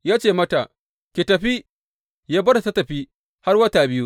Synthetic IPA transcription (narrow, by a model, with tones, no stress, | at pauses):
jaː˦t͡ʃeː˨mɐ˦ta˨ʔ | kʲe˨tɐ˨ɸi˦ | jaː˦bɐ˦da˨tɐ˦tɐ˨ɸiː˦ | ha˦rwɐ˦ta˨bɪ˦ju˦